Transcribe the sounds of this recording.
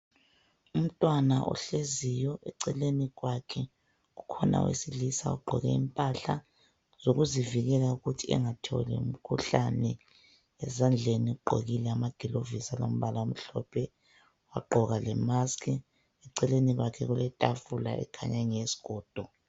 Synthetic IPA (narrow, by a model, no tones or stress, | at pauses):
um̩tʼwanaʔɔ̰ɬezijɔʔɛǀɛleniɣwakʰɛ | ɣukʰɔna̰wḛsilisa̰uɡ͡ǃʱɔ̰ɣɛ̰impʼaɬa | z̥oɣuziviɣɛlauɣutʰiɛ̰ŋatʰɔ̰lɛ̰ṵm̩kʰuɬanɛ | ɛzand͡ɮʱeniuɡ͡ǃʱo̰ɣilɛamaɡ̥ʱilovisalo̰m̩βalaum̩ɬɔpʰɛ | waɡ͡ǃʱɔɣalɛmaskʰʼi | ɛǀɛleniɣwakʰɛɣulɛtʼafula̰ɛ̰kʰaɲaŋesi̥ɡ̥ʱɔːd̥ʱɔ